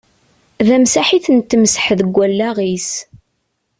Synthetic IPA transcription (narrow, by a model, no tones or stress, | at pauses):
ðæmsaħiθənt̪ːmsə̥ħðəɡʷːælːæʁis